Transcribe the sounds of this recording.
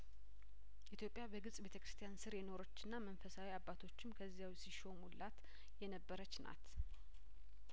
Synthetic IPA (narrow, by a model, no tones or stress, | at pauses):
ʔit̪ʰjo̞pʼːjabəɡɨsʼbe̞t̪ʰəkʰɾɨst̪ʰjansɨɾjɛno̞ɾət͡ʃːɪnːamənfəsawiabːat̪ʰo̞t͡ʃːɪmkʰəzːijawsiʃomulːat̪ | jɛnəbːəɾət͡ʃːna̰t̪